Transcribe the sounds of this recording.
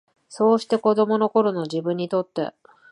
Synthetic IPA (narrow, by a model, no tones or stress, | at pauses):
so̞ːɕi̥t̪e̞ko̞d̪o̞mo̞no̞ko̞ɾo̞no̞ʑibɯ̟̃ɲ̟ːit̪o̞t̪ːe̞̰